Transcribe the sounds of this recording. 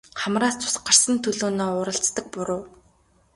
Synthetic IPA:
χamraːst͡sʰʊ̥sɢar̥sə̆nt̪ʰɵɮoːnɔːʊɾə̆ɬt͡st̪ə̆k̚pʊɾoː

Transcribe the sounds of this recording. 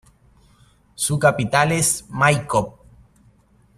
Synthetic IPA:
sukapit̪alesmajkop̚

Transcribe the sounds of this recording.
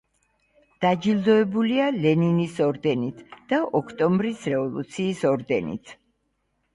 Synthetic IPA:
d̪̥ad͡ʒilˠd̪ɔɛbulialɛninisɔɾd̪ɛnit̪ʰd̪̥aʔɔkʰt̪ʼɔmbɾisɾɛvɔlˠṵt̪sʰiːsɔɾd̪ɛnḭt̪ʰ

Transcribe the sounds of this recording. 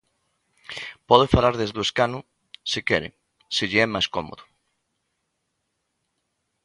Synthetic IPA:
pɔðefalaɾðezðoeskanʊ | sikɛɾɪ̰ | siʎɪɛmajskɔmo̰ðʊ

